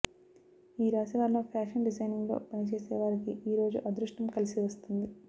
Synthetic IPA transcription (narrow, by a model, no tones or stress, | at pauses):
iːɾaːsiʋaːɾloːpʰjaːʂɐnɖid͡ʒɐjniŋɡlo̞̰ːpɐnit͡ʃeːsɛːʋaːɾikiʔiːɾo̞ːd͡ʒuʔɐd̪ɾuʂʈɐmkɐlisiʋɐst̪und̪i